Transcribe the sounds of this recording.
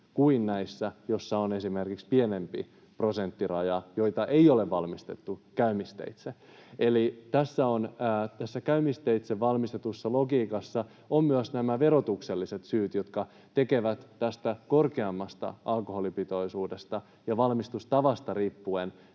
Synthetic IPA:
kuinnæisːæjo̞sːɑone̞simerkikspienempḭ | pro̞sent̪ːirɑjɑjo̞jt̪ɑʔeioleʋʋɑlmist̪e̞̰t̪ːukæymist̪ḛit̪seelit̪æsːæonːt̪æsːækæymist̪eit̪seʋʋɑlmist̪et̪usːɑloɡiːkɑsːɑ | ommyøsnæmæʋeɾo̞t̪ukselːiset̪syːt̪jot̪kɑ | t̪ekeʋæt̪ːæst̪æko̞rkeɑmːɑst̪ɑ̰ʔɑlkoholipit̪o̞isuːdest̪ɑ | jɑʋɑlmist̪ust̪ɑʋɑst̪ɑripːuen

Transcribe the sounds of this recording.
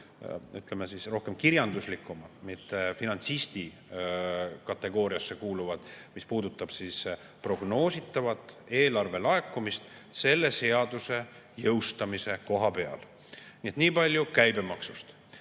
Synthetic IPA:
yt̪ːˑle̞mesisro̞hke̞mkiɾjɑnd̪̥uslikːˑumɑmit̪ːˑe̞finɑnt̪sist̪i | kɑt̪ːˑe̞ɡ̥o̞ːɾiɑsːe̞kuːluvɑd̪̥mispuːd̪ut̪ːˑɑb̥sis | pro̞ɡ̥no̞ːsit̪ˑːɑvɑt̪ːˑe̞ːlɑrve̞lɑe̞kːˑumist̪se̞lːe̞se̞ɑd̪use̞ | jɤwst̪ɑmise̞ko̞ɦɑpe̞ɑ̰l | niet̪niːpɑlʲjukæjbe̞mɑksu̥st̪

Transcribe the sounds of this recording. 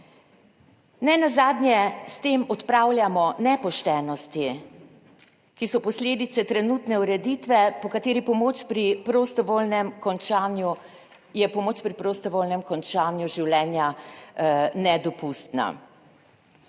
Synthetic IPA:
nɛnazaːd̪njɛst̪eːmɔt̪pɾaːwljamɔnɛpɔʃt̪ɛːnɔst̪i | kisɔpɔslʲeːd̪it̪sɛt̪ɾɛnut̪nɛuɾɛd̪it̪ʋɛpɔkat̪eːɾipɔmoːt͡ʃpɾipɾost̪ɔʋolnɛmkɔnt͡ʃaːnju | jɛpɔmoːt͡ʃpɾipɾost̪ɔʋoːlnɛmkɔnt͡ʃaːnjuʒiwlɛːnja | nɛd̪ɔpust̪na̰

